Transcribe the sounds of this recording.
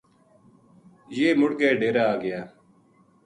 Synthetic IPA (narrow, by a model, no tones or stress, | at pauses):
jeːmʊɽɡeːɖeːɾaːɡɪjaː